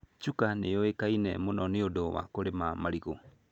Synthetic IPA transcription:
t͡ʃukanḛoekainɛ̰monɔneodɔβa̰koɾemamaɾiɣo

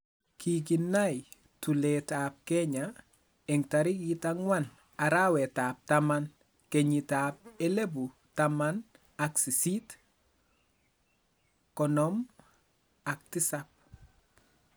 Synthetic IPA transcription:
kʰiɡ̬inːaj | tuletaːp̚keɲa | eŋtaɾikitaŋwan | aɾawetaːp̚taman | keɲitap̚elebu | taman | aksisit | kɔnɔm | ak̚tisap̚

